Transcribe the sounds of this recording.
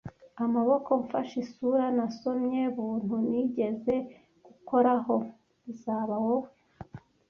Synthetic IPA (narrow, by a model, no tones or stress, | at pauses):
amaβo̞ko̞ɱfaʃisuɾanaso̞mɲe̞βuːn̥huniɟe̞ze̞ | ɡ̥uko̞ɾaɦo̞ | βizaːβaho